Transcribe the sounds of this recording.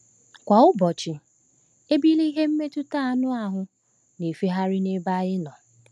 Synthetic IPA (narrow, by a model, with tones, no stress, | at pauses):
kʷa˨ʊ˦bɔ˨t͡ʃɪ˨ | e˦bi˦li˦ɦe˦m̩˦me˦tʊ˦ta˦a˨nʊ˦a˦ɦʊ˨ | ne˨fi˦ɦa˦ɾɪ˦ne˦ba˦jɪ˦nɔ˨